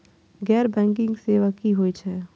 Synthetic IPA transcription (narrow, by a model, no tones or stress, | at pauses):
ɡɛːɾbɛ̃ːŋk̬ɪ̃ŋɡseːʋakiɦoːit͡ʃʰɛː